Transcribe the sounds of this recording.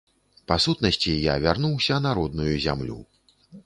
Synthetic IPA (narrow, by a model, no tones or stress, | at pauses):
pasut̪nɐsʲt͡sʲija̰vʲarnuwsʲɐnaɾɔd̪̚nujuzʲa̰mlʲṵ